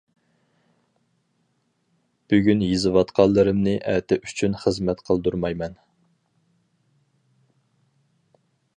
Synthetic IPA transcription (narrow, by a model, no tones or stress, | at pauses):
b̥yɡʲynjizɨwɑt̪qʰɑlˠːɨɾɨmnɨʔɛt̪ʰɛʔyt͡ʃʰynχəzmɛt̪qʰəlˠd̪uɾmɑjmɛn